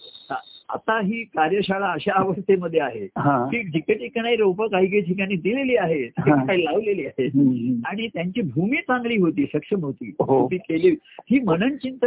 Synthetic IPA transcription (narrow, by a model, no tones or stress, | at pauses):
aa̰t̪aɦiːkaɾjəɕaɭaəɕaːʋəst̪ʰeməd̪ʱːjeaɦeɦãt̪iːkd͡ʑikəʈikɳajɾowpəkaɦiːk̬eʈʰikañiːd̪ileliːaɦeẽaɦilaʋleliːaɦeaɽ̃it̪jaɲt͡ɕiːbʱumiːt͡sãŋɡliːɦot̪iːsəkʂəmɦot̪ḭːɦot̪iːkeliːhiːmənənt͡ɕint̪ə